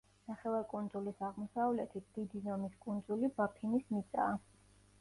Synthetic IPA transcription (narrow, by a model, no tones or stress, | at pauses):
naχɛvaɾkʼund̪zulisaʁmɔsavlɛt̪ʰit̪̚ʰd̪̥id̪izɔmiskʼund̪zulibapʰinismit̪sʼaː